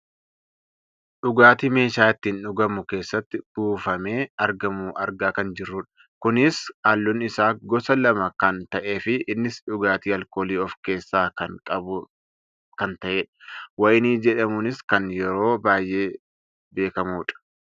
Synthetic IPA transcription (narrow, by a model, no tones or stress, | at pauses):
ᶑʊɡaːt̪iːme̞ːʃaːɪt̪ːiːnᶑʊɡɐmʊke̞ːsːɐt̪ːɪb̥uːfɐme̞ːɐɾɡɐmuːʔɐɾɡaːkɐnd͡ʒɪrːʊᶑɐ̥ | kʊnɪsaːlːʊnɪsaːɡɔsɐlɐmɐkɐnt̪ɐʔe̞ːfɪːnːɪsᶑʊɡaːt̪iːɐlko̞ːliːɔfke̞ːsːaːkɐnkʼɐbʊ | kɐnt̪ɐʔeːᶑɐ̥wɐjniːd͡ʒɛᶑɐmʊnɪskɐnjɛɾo̞ːbaːjʔe̞ː | be̞ːkɐmuːᶑɐ̥